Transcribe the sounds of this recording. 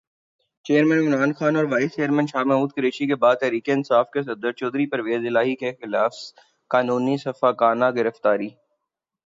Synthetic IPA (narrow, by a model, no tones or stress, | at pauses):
t͡ʃeːəɾmɛ̃nɪmɾaːnxaːnɔːɾʋaːɪst͡ʃeːəɾmɛ̃nʃaːmɛːmuːd̪̚kɐɾeːʃikebaːd̪̚t̪ɛɦɾiːkeɪnsaːfkes̬ɐd̪əɾt͡ʃɔːd̪ɾipɐɾʋeːzɪlaːɦikexɪlaːf | kaːnũːnisɐfaːkaːnaɡɪɾəft̪aːɾiː